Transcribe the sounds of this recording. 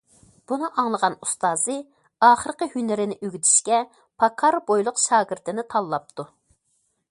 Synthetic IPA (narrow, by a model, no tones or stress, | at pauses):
b̥unɨʔɑŋlˠəʁɑnust̪ɑːzɨ | ɑːχəɾqəhynɪɾɪnɪʔyɡʲit̪ʰi̥ʃkʲɛ | pʰɑkʰɑɾbojlˠʊqʃɑːɡɨɾt̪ɨnɪt̪ʰɑlˠːɑp̚t̪ʰu